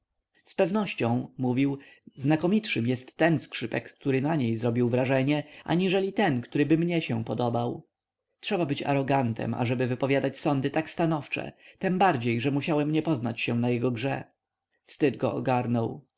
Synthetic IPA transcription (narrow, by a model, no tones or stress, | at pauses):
spɛvnɔɕt͡ɕɔ̃w̃muvʲiw | znakɔmʲitʂɘmjɛst̪ːɛnskʂɘpɛkːt̪uɾɘnaɲejzɾɔbʲiwvɾaʐɛɲɛʔa̰ɲiʐɛlʲit̪ɛnkt̪uɾɘbɘmɲɛɕɛpɔd̪ɔbaw | tʂɛbabɘt͡ɕa̰ɾɔɡant̪ʰɛ̰ma̰ʐɛbɘvɘpɔvʲjad̪at͡ɕsɔnd̪ɘt̪akst̪anɔft͡ʂɛ̰t̪ɛmbaɾd͡ʑejʐɛmuɕawɛmɲɛpɔznat͡ɕɕɛ̃najɛɡɔɡʐɛ̰ | fst̪ɘd̪ɡɔ̰ɔ̰ɡaɾnɔw